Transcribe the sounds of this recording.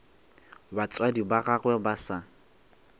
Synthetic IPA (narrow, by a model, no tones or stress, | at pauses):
bat͡sʼwadibaɣaɣwɛbasa